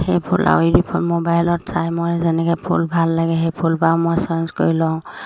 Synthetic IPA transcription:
hejpʰulʔa̰widipʰɔlmobajlɔtsajmɔjzɛnɛkɛpʰulbʱalːaɡɛɦɛjpʰulbamɔjsɔnskoɹilɔ̃

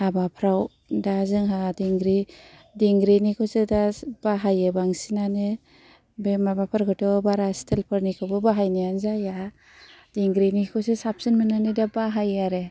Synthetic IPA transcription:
habapʰɾaw | dazɯŋɦadiŋɡɾidiŋɡɾinikʰɔsedabaɦajebaŋsinane | bemabapʰaɾɡɯtɔbaɾastʰelpʰɯɾnikʰɔbɯbaɦajnijanzaja | d̥iŋɡɾinikʰɔsesap̚sinmɯnanedabaɦajaɾe

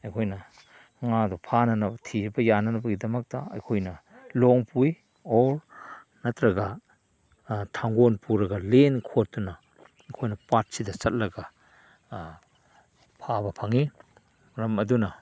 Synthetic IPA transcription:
ɐjkʰojnɐ | ŋadɔpʰanɐnɐbɐtʰibɐjanɐnɐbɐɡidɐmɐk̚dɐɐ̰jkʰojnɐ | lɔŋpuj | ɔɾ | nɐtɾɐɡɐ | tʰaŋɡonpuɾɐɡɐlenkʰot̚dunɐ | ɐjkʰojnɐpat̚sidɐsɐt̚lɐɡɐ | pʰabɐpʰɐŋi | ɾɐmɐdunɐ

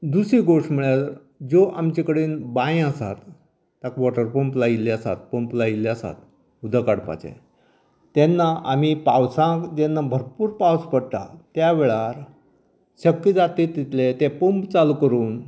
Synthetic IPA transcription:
d̪usiɡoʂʈm̤əɭjat̪ɾ | d͡zoʔamt͡ɕikəɽiːnbãjəsa̰t̪ː | akʋɔʈəɾpumplaileəsa̰t̪̚pumplaileəsa̰t̪ | ud̪ʱakaɽpa̰t͡ɕḛ | t̪ɛnːaʔamipawsãkd͡ʑenːabʱəɾpuːɾpawspəɽʈ̪a̰t̪jaʋeɭaɾ | ɕəkːid͡zat̪et̪it̪let̪epumpt͡salukəɾuːn

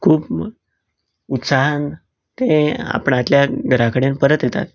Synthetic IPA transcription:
kʰuːp | ut̪saɦan | t̪ẽa̰pəɳat̪ljaɡʱəɾakəɽenpəɾət̪jet̪a̰t̪

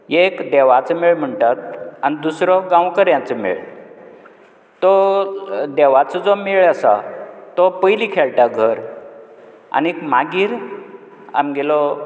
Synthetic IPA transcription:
ekd̪ɛʋat͡səmeɭm̤əɳʈat̪̚anid̪usɾɔɡãwkəɾjãt͡səmḛɭ | t̪ɔ | d̪eʋat͡səd͡zɔmeɭəsat̪ɔpəjlikʰeɭʈaɡʱəɾ | a̰nikmaɡiːɾ | a̰mɡelɔ

